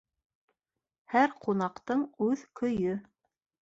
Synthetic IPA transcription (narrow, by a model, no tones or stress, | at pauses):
hæɾqʰunɑqt̪ɤɴʉðkɵ̆jɵ